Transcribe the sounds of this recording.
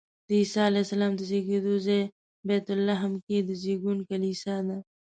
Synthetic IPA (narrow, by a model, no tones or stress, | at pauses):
d̪iːsaːleːsɐlaːmd̪əziːɡid̪uːze | beːt̪ʊlːɐɦmkid̪əziːɡunkɐliːsad̪a